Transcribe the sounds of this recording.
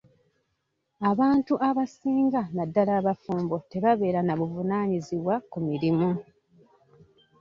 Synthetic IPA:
aβaːntuʔaβasiːŋɡanadːalaːβafuːmbo̞te̞βaβe̞ːɾanaβuvunaːɲiziβwakumiɾimu

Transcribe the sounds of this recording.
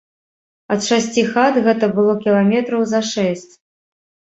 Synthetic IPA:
ɐt̪ʂasʲt͡sʲixat̪ɣɛt̪ɐbɨlˠɔkʲilˠamʲɛt̪ɾɐwzɐʂɛsʲt͡sʲ

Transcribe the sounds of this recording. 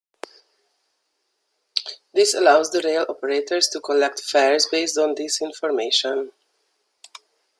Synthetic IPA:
d̪ɪsəlaʊzd̪əɾeɪlɔpəɹetʰəɹstukʰɔlɛk̚tfɛɹzbeɪstɔ̃nd̪ɪsɪ̃nfɔɹmeɪʃə̃n

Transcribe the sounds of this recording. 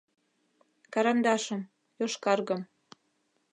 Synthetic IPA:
kɑɾɑnd̪ɑʃɤ̆m | joʃkɑrɣɤ̆m

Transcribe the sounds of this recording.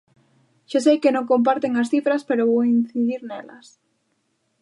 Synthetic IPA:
ʃas̬ejkenõŋkomp̬aɾt̪eŋasθifɾaspeɾoβowin̟θiðiɾnelas

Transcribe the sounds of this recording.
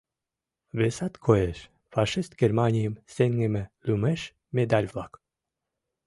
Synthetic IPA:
βesɑt̪kʰoeʃ | fɑʃist̪ɡermɑnʲijəmseŋɡemĕlymeʃ | mʲed̪ɑlʲvlˠɑk

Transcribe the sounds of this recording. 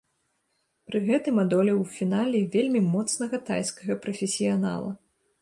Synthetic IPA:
pɾɨɣɛt̪ɨmad̪ɔlʲɛwfʲinalʲɛvʲelʲmʲimɔt̪snɐɣɐt̪a̰jskɐɣɐpɾɐfʲɛsʲijana̰lˠɐ̰

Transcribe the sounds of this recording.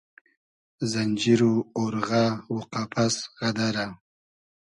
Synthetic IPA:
zanʲd͡ʒiɾuoɾɣawuqapʰasʁad̪aɾa

